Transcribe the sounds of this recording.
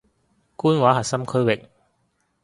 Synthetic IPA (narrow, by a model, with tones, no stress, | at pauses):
kuː˥nwaː˨˥ɦɐ˨t̚sɐ˥mkʰɵ˥ɥwɪ˨k̚